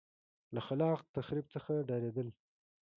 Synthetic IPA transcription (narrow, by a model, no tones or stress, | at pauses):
laxalɑqt̪axɾib̚t͡səxaɖɑɾed̪əl